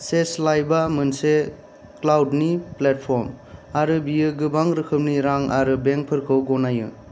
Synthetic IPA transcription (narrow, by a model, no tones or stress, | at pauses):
seslajbamɯnse | klawdniplet̚pʰɔɾmaɾɯbijɯɡɯbaŋɾɯkʰɯp̚niɾaŋaɾɯbeŋk̚pʰɯɾkʰɯwɡɔnajɯ̰